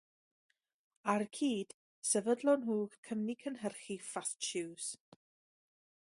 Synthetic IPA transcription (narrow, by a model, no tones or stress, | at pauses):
arkʰiːd̥ | sɛvədlˠɔnɦuːkʰəmnikʰənɦərχifastt͡ʃɪws